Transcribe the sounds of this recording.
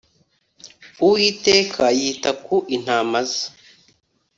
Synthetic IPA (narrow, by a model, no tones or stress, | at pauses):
uwiːteːkʰajiːtakʰuʔin̥haːmaza